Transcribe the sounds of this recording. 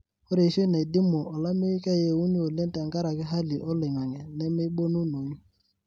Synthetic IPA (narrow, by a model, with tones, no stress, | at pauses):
o˦ɾe˨ʃe˦na˨i˨dɪ˦mo˨ɔ˨la˦me˦i˦ka˦˨je˦˨wu˦ɲu˦o˨le˦n˦tɛ˨a˨ŋka˦ɾa˨kɪ˦ɦa˦li˨ʔɔ˦lɪ˨ŋa˨ŋɛ˨nɛ˦me˦ɓo˦nu˦no˨ɲ˦